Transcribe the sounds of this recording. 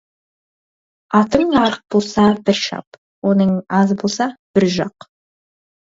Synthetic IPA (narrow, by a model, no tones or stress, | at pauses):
ɑt̪əɴɑɾəq̚bolˠsɑbɪɾʃɑ̰p | wo̞nəɴɑzbolˠsɑb̥ɪɾʒɑq